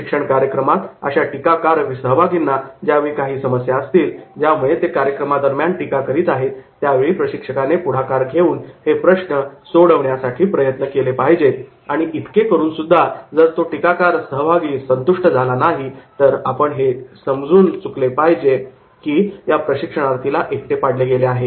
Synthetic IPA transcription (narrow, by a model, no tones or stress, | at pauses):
ikʂəɳkaɾjəkɾəmat̪ə̰ɕaʈikakaɾʋisəɦəʋaɡinːad͡ʑjaʋikaɦiːsəməsjaəst̪iːld͡ʑjamuɭet̪ekaɾjəkɾəmad̪əɾmjanʈikakəɾiːt̪aɦet̪ːjaʋeɭiːpɾəɕikʂəkanepuɽ̤akaɾɡʱeuːnhepɾəʂɳəsoɽəʋɳjasaʈʰiːpɾəjət̪nəkelepaɦid͡ʑet̪ | aɽ̃iʔit̪ʰkekəɾuːnsud̪ʱːad͡zəɾt̪oʈikakaɾsəɦəʋʱaɡiːsənt̪uʂʈəd͡zʱalanaɦit̪əɾapəɳɦesəmd͡zuːnt͡suklepaɦid͡ʑe | kiːjapɾəɕikʂəɽ̃aɾt̪ʰilaʔek̚t̪epaɽ̤leɡeleaɦe